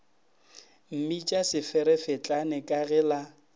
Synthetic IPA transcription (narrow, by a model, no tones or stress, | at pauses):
m̩mit͡ʃʼasɪfɪɾɛfɪt͡ɬʼanɛkʼaɣɛla